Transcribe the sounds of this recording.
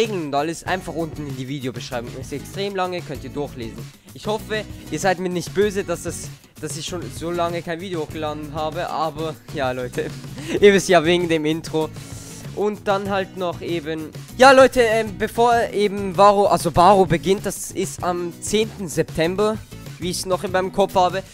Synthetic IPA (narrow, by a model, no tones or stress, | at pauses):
eːɡŋ̩ʊntaləsʔa̰ɪnfaχʊntn̩ɪndiːviːdeobəʃʁ̥aɪbʊŋɪsɛkstʁ̥eːmlaŋəkʰœntiːɐdʊɐçlḛːzn̩ | ʔɪçhɔfəʔiːɐzaɪtmiːɐnɪçt̚b̥øːzəd̥asdas | d̥asɪçʃoːnzoːlaŋəkʰaɪnviːdeoxɡ̥əlaːdn̩ɦaːbəʔaːbɐjaːlɔʏtʰəevɪsjaːveːɡŋ̩deːmɪntʁ̥o | ʔʊnt̚d̥anɦaltnɔχʔeːbənjaːlɔʏtəʔɛːmbəfoːɐʔeːbm̩vaːʁoʔalzovaːʁobəɡɪnt̚d̥asɪstamt͡seːntn̩zɛptʰɛmbɐ | viːɪçsnɔχɪnmaɪnəmkʰɔp͡fhaːbə